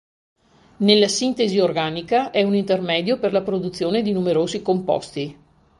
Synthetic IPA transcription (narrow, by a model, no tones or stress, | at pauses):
nelːasint̪eziorɡaːnikaʔɛunint̪ermɛːd̪joperlapɾod̪ut̪sːjoːned̪inumeɾoːzikompɔ̰st̪i